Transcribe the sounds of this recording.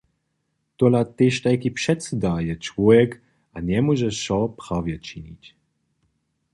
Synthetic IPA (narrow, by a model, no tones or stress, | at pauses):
t̪ɔlat̪eʃt̪ajkipʂɛt̪sɛd̪ajɛt͡ʃvɔjɛk | ʔaɲɛmɔʒɛʃɔpʁavjɛt͡ʃiɲitʲ